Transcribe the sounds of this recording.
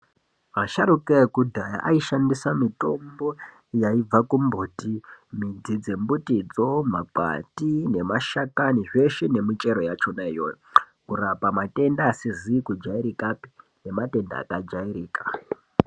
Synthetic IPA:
maʃaɾukekudʱaja̰ʔaiʃandisamito̞mbo̞ | jaib͡vakumbuːtimid͡zid͡zembutid͡zo̞mak͡pa̰tine̞maʃakaniʐe̞ʃene̞mit͡ʃe̞ɾo̞jat͡ʃo̞naijo̰jo | kurapamate̞ndaːsizikud͡ʒaiɾikapi̥ | ne̞mate̞nda̰a̰kad͡ʒaiɾiːkḁ

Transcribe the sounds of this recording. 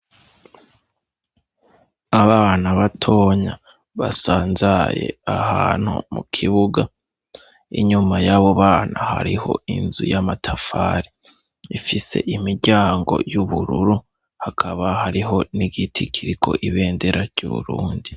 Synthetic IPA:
aβaːnaβatʰo̞ːɲa | βasaːnzaje̞̰ahaːn̥hṵmukʰiβuɡa | ḭɲumajaβo̞βaːnaha̰ɾiho̞̰inzṵjamatʰafaːɾi | ifise̞̰ʔimiɾɟaːŋɡo̞̰juβuɾuɾu | hakʰaβahaɾiɦo̞niɡitʰikʰiɾikʰo̞̰ʔiβe̞ːnde̞ɾaɾɟ̥uβṵɾuːndi

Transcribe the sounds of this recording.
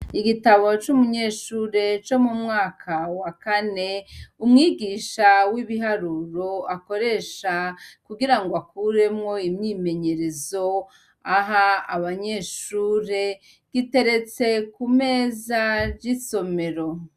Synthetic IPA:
iɡitaβo̞t͡ʃumuɲe̞ːʃuːɾe̞t͡ʃo̞mumŋaːkʰawakane̞umŋiːɡiːʃawiβiɦaɾuɾo̞ako̞ɾe̞ʃakuɡiɾaŋɡoakuɾe̞mŋo̞imɲiːme̞ɲe̞ɾe̞zo̞ | aɦaaβaɲe̞ːʃuːɾe̞ | ɡ̥ite̞ɾe̞t͡se̞kumeːzaɾɟiso̞me̞ɾo̞

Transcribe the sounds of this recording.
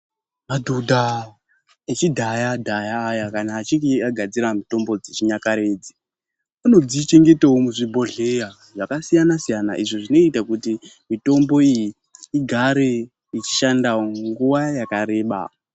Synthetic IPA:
madʱudʱa | et͡ʃidʱajadʱajaːjakanaːt͡ʃikiaɡʱad͡ziɾamito̞mbo̞d͡zet͡ʃiɲakaɾe̞ːd͡zi̥ | ano̞d͡ziːt͡ʃe̞ŋɡe̞tawomuʐibʱo̞ɮeja | ʐakasijanasijana̰ʔiʐoʐino̞itakuti | mito̞mbo̞ijiː | ɡʱaɾe̞ | it͡ʃi̥ʃandaoŋɡuʋajakaɾe̞ːɓa̰

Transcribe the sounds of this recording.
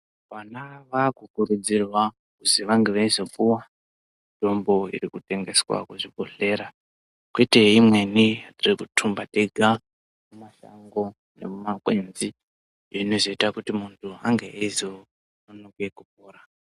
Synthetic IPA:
panaʋakukuɾud͡zirwa | kuziʋaŋɡeʋaizokuwa | ndʱo̞mbo̞ḭrikute̞ŋɡe̞swa̰kuʐiko̞ɬe̞ɾa | kwete̞imwe̞niririkutʰumbateɡʱa | mumaʃa̰ŋɡo̞ | ne̞̰mumakwenzi | jeinoʐoitakutimuntʰua̰ŋɡeeizo | nonoke̞kup̚oːɾa

